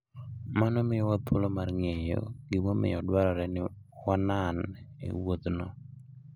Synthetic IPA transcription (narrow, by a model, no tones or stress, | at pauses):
manɔmɪjɔwapʰolomarŋejo̰ɡɪmomɪ̰jɔdwaɾaɾɛnɪwananḛwot̪nɔ